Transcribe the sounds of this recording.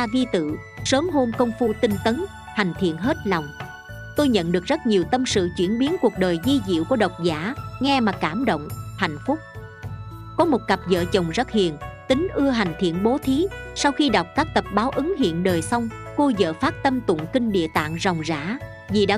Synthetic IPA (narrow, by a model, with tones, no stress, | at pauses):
aː˧vi˧t̪ɨ̰˧˨ | səː˨˦mɦo˧mkə˧wŋ͡mfu˧t̪ï˧ŋ̟t̪ə˨˦n | ha˨˩jŋ̟t̪ʰḭ˧˨ənɦe˦˥t̚lɔ˨˩wŋ͡m | t̪o˧jɲə̰˧˨nɗɨ˨˩ək̚zə˦˥t̚ɲi˨˩əwt̪ə˧msɨ̰˧˨t͡ɕwi˧˩ənɓi˨˦ənku˨˩ək̚ɗəː˨˩jzi˧zḭ˧˨wku˧˩əɗə˨˩wk͡p̚zaː˧˥ŋɛ˧maː˨˩kaː˧˩mɗo̰˧˨wŋ͡mha̰˧˨jŋ̟fʊ˦˥k͡p̚ | kɔ˨˦mo˨˩t̚ka˨˩p̚zə̰ː˧˨t͡ɕə˨˩wŋ͡mzə˦˥t̚hḭ˧˨ənt̪ï˨˦ŋ̟ʔɨ˧əɦa˨˩jŋ̟t̪ʰḭ˧˨ənɓo˨˦t̪ʰi˨˦sa˧wxi˧ɗa˨˩wk͡p̚kaː˦˥k̚t̪ə˨˩p̚ɓaː˨˦wʔɨ˨˦ŋɦḭ˧˨ənɗəː˨˩jsa˧wŋ͡mko˧zə̰ː˧˨faː˦˥t̚t̪ə˧mt̪ʊ̰˧˨nkï˧ŋ̟ɗḭ˧˨ət̪a̰ː˧˨ŋzɔ˨˩wŋ͡mza̰ː˧˥ | vi˨˩ɗa̰ː˧˥